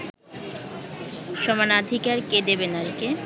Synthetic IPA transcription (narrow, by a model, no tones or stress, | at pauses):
ʃɔmanad̪ʱikaɾked̪ebenaɾke